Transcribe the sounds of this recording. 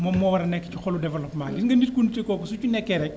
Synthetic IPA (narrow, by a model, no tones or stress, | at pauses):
mɔmːɔwɐɾɐnɛkːɐcuxɔludɛvɛlɔpmadiŋɡɐnit̚kunditekɔːkɔsucunɛkːɛɾɛc̚